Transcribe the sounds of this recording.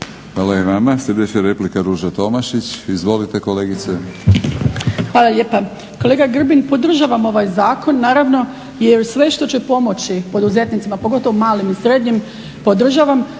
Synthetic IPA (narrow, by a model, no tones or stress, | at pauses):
xʋaːlaeʋamaslʲed̪et͡ɕeɾeplikaɾuːʒat̪o̞maʃit͡ɕizʋo̞lit̪e̞ko̞leːɡit̪se | xʋaːlaʎe̞ːpa | ko̞leɡaɡr̩binpo̞d̪r̩ʒaʋamo̞ʋajzaːko̞nːaːɾaʋno̞ | jeɾsʋe̞ʃt̪o̞t͡ɕepo̞mo̞t͡ɕipo̞d̪uze̞t̪nit̪simapo̞ɡo̞t̪o̞ʋomaːlimisɾe̞d̪ɲim | po̞d̪r̩ʒaːʋam